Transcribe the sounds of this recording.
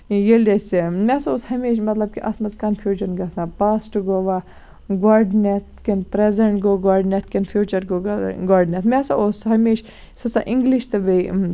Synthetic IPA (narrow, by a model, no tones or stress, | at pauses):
jelʲesimʲɛsaoshɐmeːʃmɐt̪lɐb̚kiʔɐ̰smɐzkɐnfʰjuːd͡ʒɐnɡɐsãpaːsʈɡoʋa | ɡaɖnet̪̚ʰkinpɾezɐɳʈɡoɡaɖnet̪̚ʰkinfʰjuːt͡ʃɐɾɡoɡaɖnʲet̪mʲɛsaosɦɐmeːʃ | sosã̰ʔĩŋɡliʃt̪ɐbe